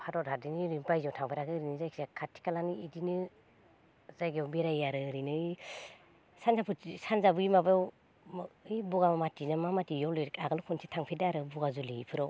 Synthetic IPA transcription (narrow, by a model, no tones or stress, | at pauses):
pʰadɔthadiniɾinpajzawtʰaŋbeɾaɡɯɾinɯzajkʰizakʰatʰi̥kalaniidinɯ | zajɡewbeɾajaɾɯɯɾinɯɯj | sanzapʰɯisanzabɯimabaw | ɯjbɔɡamamatinamamatijɔlɔɾikaɡalukʰɔnsʰitʰaŋpʰedaɾɯbɔɡazulipʰɯɾɔ